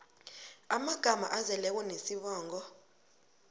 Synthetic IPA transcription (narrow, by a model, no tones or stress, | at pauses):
amaɡ̥ʱama̰ʔazɛlɛk̬wɔnesiɓaːŋɔ